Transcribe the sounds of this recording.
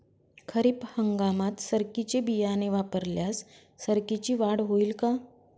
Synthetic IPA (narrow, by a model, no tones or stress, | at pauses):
kʰəɾiːphəŋɡamat̪səɾkit͡ɕebijaneʋapəɾljasː | əɾkit͡ɕiːʋaɽɦoiːlka